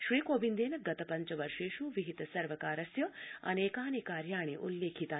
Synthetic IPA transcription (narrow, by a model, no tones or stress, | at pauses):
ʃɾiːkoːbind̪eːnɐɡɐt̪ɐpɐɲt͡ʃɐʋɐɾʂeːʃuʋiɦit̪ɐsɐɾʋɐkaːɾɐsjɐɐ̰neːkaːnekaːɾjaːɳ̃eʔulːeːkʰit̪aː